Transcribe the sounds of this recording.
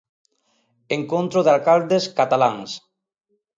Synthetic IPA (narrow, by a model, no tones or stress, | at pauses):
eŋkõnt̪ɾoðalkald̪eskat̪alaŋs